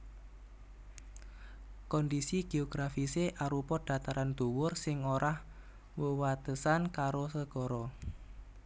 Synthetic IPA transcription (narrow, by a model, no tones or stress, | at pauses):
kɔndisiɡ̥e̤ɔɡ̥ɾafiseʔaɾupɔd̪̥at̪aɾand̪̥o̤wʊrsɪŋoɾah | wəwat̪əsankaɾosəɡ̥ɔɾɔ